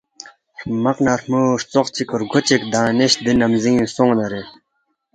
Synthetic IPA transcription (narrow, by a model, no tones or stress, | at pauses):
ɾmɐqnaɾmuːʂt͡soqt͡ɕʰikoɾɡʱot͡ɕikd̪ãːniɕd̪inɐmzĩːsoŋnɐɾe